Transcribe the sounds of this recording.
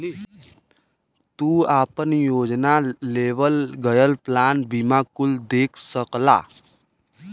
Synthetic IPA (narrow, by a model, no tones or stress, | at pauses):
t̪uaːpənjoːd͡ʒnaleʋəlɡəjəlplaːnbimakʊld̪eːkʰsəkla̰